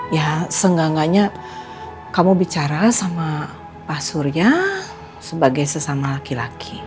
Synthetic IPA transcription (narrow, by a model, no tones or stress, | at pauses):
jasəŋɡaŋaɲa | kamubit͡ʃaɾasama | pasurɲa | səbaɡajsəsamalakilakʰi